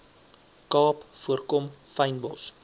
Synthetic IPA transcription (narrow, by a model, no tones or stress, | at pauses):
kɑːpfuərkɔmfɐjnbɔ̰s